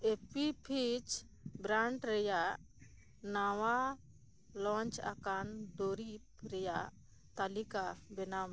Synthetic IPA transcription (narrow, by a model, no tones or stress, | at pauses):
epipʰit͡ʃ | bɾaɳʈɾɛjaʔ | nawa | lɔ̃ɲt͡ʃa̰kand̪oɾip̚ɾɛjaʔ | t̪alikabɛnam